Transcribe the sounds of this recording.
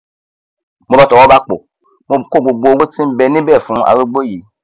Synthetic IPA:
mo˧˨ba˦tɔ˨wɔ˦ba˦k͡po̰˨ | mo˧˨ko˦˨ɡ͡bo˨ɡ͡bo˨˧wo˦tĩ˦m̩˦bɛ˧nĩ˦bɛ˦˨fũ˨˦a̰˨ɾo˦ɡ͡bo˦˨ji˨˦

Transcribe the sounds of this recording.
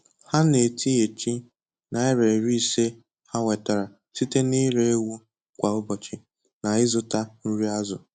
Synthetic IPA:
ha˦ne˨tʰi˦e˨t͡ʃi˦ | na˨ɪ˦ɾe˨ɾi˦˨se˦ | ha˦ŋʷe˨ta˨ɾa˨ | si˦te˦ni˦ɾe˦e˦wu˦ | kʷa˨ʊ˦bɔ˨t͡ʃɪ˨ | na˨ɪ˦zʊ˨ta˦n̩˦ɾi˦a˦zʊ˨

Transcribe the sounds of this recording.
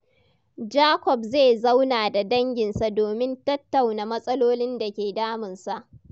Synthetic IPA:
d͡ʒaː˦kʷɔ˨b̚ze˦˨za˦wnaː˨da˨dɐ˦ŋɡʲɪ˨nsa˨doː˨mɪ˦ntɐ˦tːa˨wna˨mɐ˦sʼɐ˦loː˦nɪ˦nda˨kʲeː˨daː˦mɪ˨nsa˨ʔ

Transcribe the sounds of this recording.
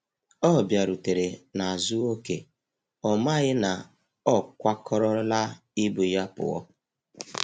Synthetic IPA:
ɔ˦˨bja˨ɾu˨te˨ɾe˨na˨a˨zʊ˦o˦kḛ˨ | ɔ˨ma˦ɣɪ˦na˨ | ɔ˦kʷa˦kʰɔ˦ɾɔ˦la˦ | ɪ˦bu˨ja˦pʊ̰˨ɔ̰˦

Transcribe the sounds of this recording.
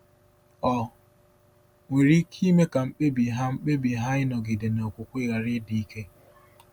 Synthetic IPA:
ɔ˨ | we˨ɾi˦kʰi˦me˦ka˨ŋ͡m̩˦k͡pe˦bi˨ɦa˦ŋ͡m̩˦k͡pe˦bi˨ɦa˦ɪ˦nɔ˨ɡɪ˨dɪ˨nɔ˨kʷʊ˨kʷɪ˦ɣa˨ɾɪ˦di˨i˦ke˦

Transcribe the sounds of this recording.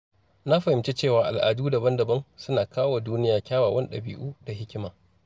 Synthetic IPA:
na˦ɸɐ˨hɪ˨mt͡ʃe˦t͡ʃeː˦˨waː˨ʔa˨lʔa̰ː˨duː˦da˨bɐ˦ndɐ˨bɐ˦nsʊ˦naː˨kaː˦waː˨duː˦nɪ˦jaː˨kʲaː˦waː˨wʔɐ˦n˦ɗɐ̰˨bḭː˦ʔuː˦da˨ɦɪ˦kʲɪ˦maː˨

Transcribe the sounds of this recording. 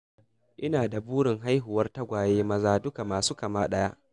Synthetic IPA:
ʔɪ˦naː˨da˨buː˦ɽɪ˨ŋɦa˦jɦʊ˨wɐ˦rta˦ɡʷaː˨jeː˦mɐ˦zaː˦dʊ˦ka˨maː˨suː˦kɐ˨maː˦ɗɐ˦jaː˦ʔ

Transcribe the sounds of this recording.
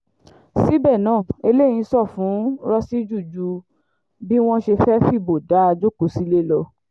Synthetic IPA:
si˦bɛ˦˨nãː˨˦˨e˧le˦˨j̃ĩ˧˦sɔ˦˨fũ˨˦ɾɔ˦si˦d͡ʒu˦˨d͡ʒu˧ | bi˦w̃ɔ̃˦ʃe˧fɛ˦fi˦˨bo˨da˨˦a˧d͡ʒu˦ko˨si˦le˦lɔ˧

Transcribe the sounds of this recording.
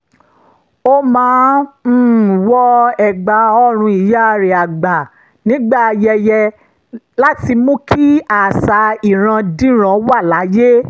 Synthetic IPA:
o˦mãː˨˦˨ | wɔ˦ɛ˨ɡ͡ba˨˦ɔ˧ɾ̃ũ˧i˨ja˦˧ɾe˨a˨ɡ͡ba˨ | nĩ˨˦ɡ͡ba˦˨˧jɛ˧jɛ˧ | la˦ti˧mũ˦kʰi˦a˨sa˨˧i˨ɾ̃ã˧dĩ˦ɾ̃ã˨˧˦wa˦˨la˨˦je˦

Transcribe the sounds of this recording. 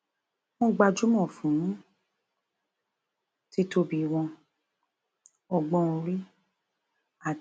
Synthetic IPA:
mɔ̃˦ɡ͡ba˧d͡ʒu˦mɔ̃˦˨fũ˨˦nũ˦ | ti˦to˧bi˨w̃ɔ̃˧ | ɔ˨ɡ͡bɔ̃˦˧ɾi˦ | a˨

